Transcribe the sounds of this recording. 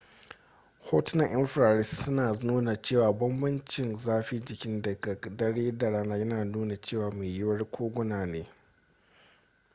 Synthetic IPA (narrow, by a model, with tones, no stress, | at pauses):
hoː˦tɪ˦nɐ˨ŋʔɪ̰˦mɸɾaː˨ɾɪ˦ssʊ˦naː˨nuː˦na˨t͡ʃeː˦˨waː˨bɐ˦mbɐ˦nt͡ʃɪ˨nzaː˦ɸi˦d͡ʒɪ˨kʲɪ˦ndɐ˨ɡa˨dɐ˦ɽeː˦da˨ɽaː˦naː˦jɐ˦naː˨nuː˦na˨t͡ʃeː˦˨waː˨meː˨jʊ˦wɐ˦rkʷʰoː˦ɡʷʊ˦naː˨neː˦